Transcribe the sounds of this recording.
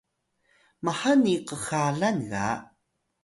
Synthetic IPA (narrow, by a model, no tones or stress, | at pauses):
maħaniqəxaɮanɣa̰